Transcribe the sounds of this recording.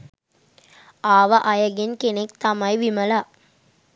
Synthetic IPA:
aːʋɐʔɐjɐɡenkenek̚t̪ɐmɐjʋimɐla

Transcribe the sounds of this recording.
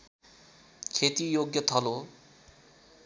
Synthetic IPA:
kʰet̪ijoɡjʌt̪ʰʌlo

